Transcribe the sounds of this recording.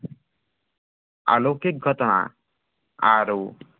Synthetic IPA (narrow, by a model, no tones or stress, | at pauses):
a̰lokik̚ɡʱɔt̪ɔna̰ | aɾu